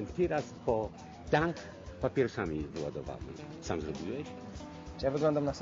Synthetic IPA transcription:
nt̪ʲiɾaspɔ | t̪ak | papʲjɛɾʂamʲivɨwa̰d̪ɔva̰wnɨ̰ | samzɾɔbʲiwɛɕ | t͡ɕjavɨɡlɔnd̪amnas

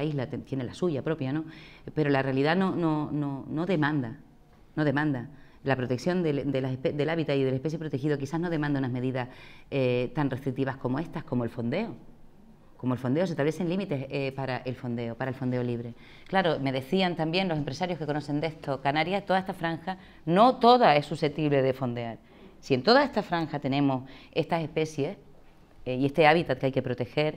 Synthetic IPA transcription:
iɦlat̪t̪jenelasuʝapɾo̞pjano̞pe̞ɾo̞larealiðano̞no̞no̞no̞ðe̞mãnd̪a | no̞ðe̞mãnd̪a | lapɾot̪e̞ksjo̞nd̪eld̪e̞laped̪e̞laβit̪aiðe̞lepe̞s̬jepɾot̪e̞xiðokisaɦno̞ð̞e̞mãnd̪eunaɦme̞ðiðaset̪anreht̪ɾik̚t̪iβahko̞moe̞ht̪ahko̞moe̞lfo̞nd̪e̞o | ko̞moelfo̞nd̪e̞os̬et̪aβle̞se̞ŋlimit̪e̞sepaɾaʔe̞lfo̞nd̪eopaɾaelfo̞nd̪e̞o̞liβɾe̞ | klaɾo̞me̞ðe̞θiant̪ambje̞nloe̞mpɾe̞saɾjo̞hke̞ko̞no̞se̞nd̪e̞ht̪o̞kanaɾjat̪oae̞st̪afɾaŋxa | no̞t̪o̞ðae̞suse̞t̪iβle̞ðe̞fo̞nd̪eaɾ | sient̪o̞ðae̞st̪afɾaŋxat̪e̞nẽ̞mose̞st̪ase̞hpe̞sje̞ | ie̞st̪e̞aβit̪at̪̚keajke̞pɾo̞t̪e̞xe̞ɾ

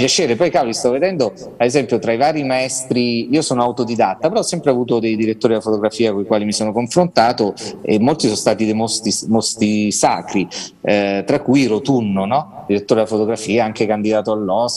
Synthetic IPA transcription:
pjat͡ʃeːɾepɔjkalist̪ɔvːed̪ɛnd̪oaezɛmpjot̪ɾaivaːɾimaɛst̪ɾiiːosoːnoawt̪od̪id̪at̪ːapeɾɔɔsːɛmpɾeavuːt̪od̪ejd̪iɾet̪ːoːɾid̪afot̪oɡɾafiːakoikwaːlimisoːnokoɱfɾont̪aːt̪oḛmːolt̪isonst̪aːt̪id̪ejmost̪imost̪isa̰ːkɾi | t̪ɾakːujɾot̪unːonɔd̪iɾet̪ːoːɾed̪afot̪oɡɾafiːaaŋkekand̪id̪aːt̪oalːɔs

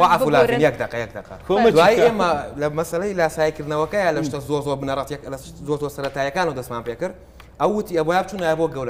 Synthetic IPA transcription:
waʕafulaːvɨnjɐk̚d̪ɐqʼːɐjɐk̚d̪ɐqɐ̰od̪aːjieːmɐlɐmɐsɐlɐjlɐsaːjikɨɾd̪nɐwɐkɐjaːlɐʃt̪ɐzoɾzoɾbɨnɐɾˤɐt̪ɐkl | zoɾzoːɾsɐɾɐt̪aːjɐkaːnɐwd̪ɐsmaːmpekɨɾ | ʔɐwːɨt̪iɐboːjaːb̚t͡ʃuːnaːjaboɡɐwɾɐ

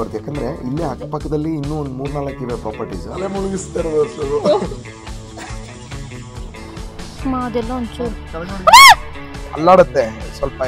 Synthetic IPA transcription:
ɐɾt̪jaːkːend̪ɐɾeilːiakːɐpɐkːɐd̪ɐlːiːnːuond̪muːɾnaːlɐkːiʋepɾaːpɐɾʈḭsɐlemuɭuɡist̪ːeɾʋɐsɐu | maɐd̪ɛlːɐoɲt͡ʃu | ɐ̰lːaːɽɐt̪ːesʋɐlpɐ

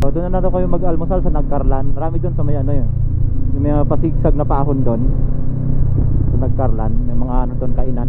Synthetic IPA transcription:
ʔod̪ʊnːɐnad̪ɐwkɐjoŋmɐɡɐlmosalsɐnɐɡ̚kɐɾlanmɐɾaːmɪd̪onsɐmɐjaʔɐnojojʊmɐapɐsiɡ̚saɡ̚nɐpaːɦond̪on | sɐnɐɡ̚kɐɾlanmɐjmɐŋaʔɐnod̪onkɐʔɪnan

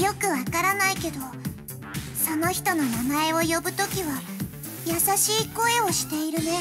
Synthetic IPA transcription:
jo̞kɯ̟βakaɾanaike̞d̪o̞ | so̞no̞çi̥t̪o̞no̞namae̞o̞jo̞bɯ̟t̪o̞kʲiβa | jasaɕiːko̞e̞o̞ɕi̥t̪e̞iɾɯ̟ne̞

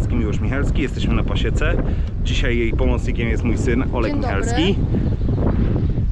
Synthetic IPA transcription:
skʲimʲiwɔʂmʲixɛlskʲijɛst̪ɛɕmɘnapaɕɛt̪sɛ | d͡ʑiɕajːejpɔmɔt̪sɲikʲɛmjɛst̪mujsɘnɔ̰lɛkmʲixɛlskʲi

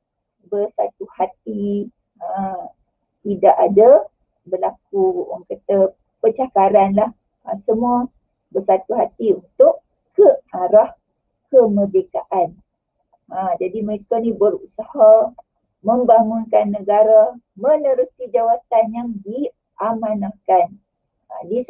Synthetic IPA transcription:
bərsat̪uhat̪̚i | ə | t̪idaʔada | bərlakuoŋkət̪ə | pət͡ʃakaɾanlah | ə̃səmua | bərsat̪uɦat̪iunt̪ʊʔ | əaɾah | kəmədekaʔan | əd͡ʒadiməɾekanibəɾṵsaha | məmbaŋunkanːə̃ɡaɾa | mə̃nəɾusid͡ʒawat̪anjaŋdi | ʔamãnakan | ə̰̃di

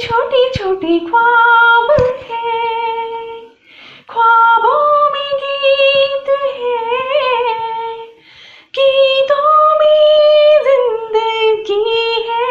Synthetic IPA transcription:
t͡ʃʰoːʈit͡ʃʰoːʈikʰwabət̪ʰe | kʰwaːbomẽkit̪uɦɛ | kit̪omezɪ̃nd̪əɡiɦɛ

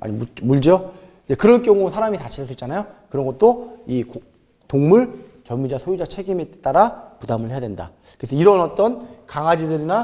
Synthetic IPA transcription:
a̰ɲimumuɭd͡ʑʌ | id͡ʑe̞kɯɾʌnk͈jʌŋusʰaɾamitaɕʰias͈ʰoitt͡ɕ͈anajokɯɾʌnŋɡʌt̚t͈oik | toŋmuɭt͡ɕʌmmud͡ʑasʰojud͡ʑat͡ɕʰe̞ɡimet͈aɾapudamɯɭɦejadwenda̰ | kɯesʰʌiɾʌnʌt͈ʌnkaŋad͡ʑidɯɾina

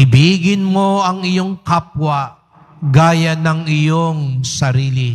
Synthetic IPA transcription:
ɪbiːɡɪnmoɐŋɪjoŋkap̚wɐ | ɡaːjɐnɐŋɪjoŋsɐɾiːli

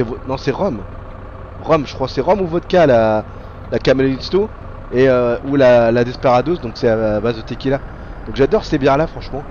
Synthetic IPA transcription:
ɛvonɔ̃sɛʁɔm | ʁɔmʒə̥kχwasɛʁɔmuvɔt̪kala | lakamelinist̪o | eøulalad̪ɛspaʁad̪osd̪ɔ̃ksɛabazd̪ət̪ekʲila | d̪ɔ̃kʒad̪ɔʁsebjɛ̃lafχɑ̃ʃmɑ̃

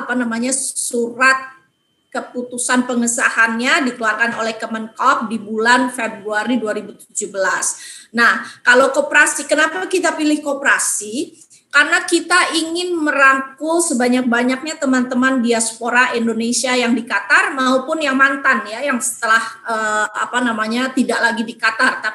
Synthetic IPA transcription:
apanamaɲasuɾat̪̚ | kəput̪usanpəŋəsahanɲadik̪əluarkanolɛhk̪əmənkɔp̚dibulanfebɾuaɾiduaɾibut̪ud͡ʒubəlasnahkalowkopəɾasikənapakit̪apilɪhkopəɾasi | karnakit̪aʔiŋɪnməɾaŋkusəbaɲak̚baɲak̚ɲat̪əmant̪əmandiaspoɾaindonesiajaŋdikat̪armaupʊnjaŋmant̪anjajaŋsə̥t̪əlahəːa̰panamaɲat̪idaʔlaɡidikat̪art̪api

